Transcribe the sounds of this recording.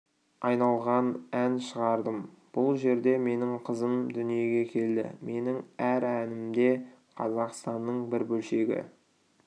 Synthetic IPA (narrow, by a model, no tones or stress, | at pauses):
ɑjnɑlˠʁɑnænʃəʁɑɾd̪əm | b̥ʊlˠʒe̞ɾd̪e̞me̞nɪŋqʰəzəmd̪ʏnije̞ɡʲe̞kʲʰe̞ld̪ɪ̰me̞nɪŋæɾænɪmd̪e̞qʰɑzɑqst̪ɑnːəɴbɪɾbɵlʃe̞ɡʲɪ̰